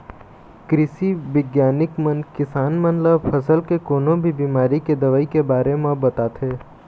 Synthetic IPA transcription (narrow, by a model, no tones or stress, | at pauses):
kɾɪʃiʋɪɡjaːnɪkmənkɪsaːnmənləbpʰɐsəlkekoːnõbʱibiːmaːɾiked̪ɐʋaːikebaːɾemẽbɐt̪at̪ʰɦeː